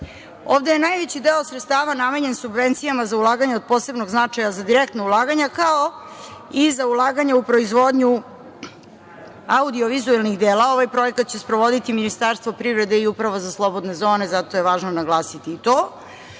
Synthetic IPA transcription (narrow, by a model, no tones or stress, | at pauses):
o̰ːʋd̪ejenajʋet͡ɕid̪eosɾet̪st̪aːʋanameɲe̞nsubʋent̪sijamazaulˠaːɡaɲeod̪̚po̞ːse̞bnoɡznat͡ʂajazad̪iɾekt̪naulˠaːɡaɲakao | izaulˠaːɡaɲaupɾo̞izʋo̞ːd̪ɲu | aud̪ioʋizuelnixd̪eːlˠao̞ʋajpɾo̞jekat̪̚t͡ɕe̞spɾoʋo̞d̪it̪iminist̪aɾst̪ʋopɾivɾe̞d̪e̞iupɾaʋozaslˠo̞bo̞d̪ne̞zoːne̞zat̪o̞jeʋaːʒnonaɡlˠaːsit̪iːt̪oː